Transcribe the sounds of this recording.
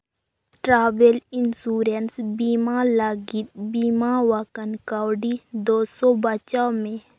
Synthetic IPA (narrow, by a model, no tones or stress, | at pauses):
ʈɾaːbelinsuːɾənsbiːmalaɡit̪̚biːmawakənkaːwɖid̪oːsɔbət͡ʃamẽ